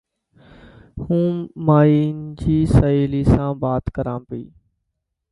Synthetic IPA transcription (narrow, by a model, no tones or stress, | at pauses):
hũːmaːiːnd͡ʒiːsəiːliːsãːbaːt̪kəɾãːpḭː